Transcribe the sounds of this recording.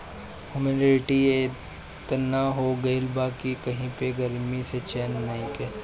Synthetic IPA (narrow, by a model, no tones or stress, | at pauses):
humenɪɾɪʈie | t̪ɐnaɦoɡɐɪlbaːkikɐɦĩpeɡɐɾmiset͡ʃɛːnːɐɦĩkeː